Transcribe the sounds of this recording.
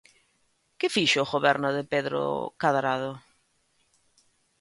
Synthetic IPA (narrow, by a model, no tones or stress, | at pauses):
kɪfiʃoɣoβɛɾnoðepeðɾo̰kaðɾaðo